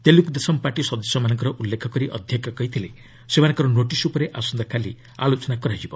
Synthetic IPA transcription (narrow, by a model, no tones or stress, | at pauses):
t̪elukud̪esɔmpaʈisɔd̪ɔsɔmanɔŋkɔɾɔʔulːekʰɔkɔɾiʔɔ̰d̪ʱjɔkjɔkɔɦit̪ʰile | semanɔŋkɔɾɔnoʈisupɔɾeʔasɔnd̪ɔkʰali | a̰lot͡ʃɔnakɔɾajd͡ʒibɔ